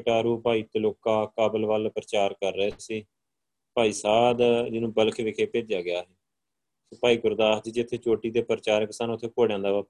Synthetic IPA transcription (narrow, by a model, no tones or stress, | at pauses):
ʈaːɾuːpaːiːt̪eloːkaːkaːbəlʋəlpɾət͡ʃaːɾkəɾːɛːsiː | paːiːsaːd̪d͡ʒɪnũːbəlkʰʋɪkʰeːpeːd͡ʒjaːɡɪjaːɦɛː | səpaːiːɡʊɾd̪aːsd̪iːd͡ʒɪt̪ʰːeːt͡ʃoːʈiːt̪eːpɾt͡ʃaːɾksaːnʊt̪ʰːeːkoːɽejãːd̪aːʋaːp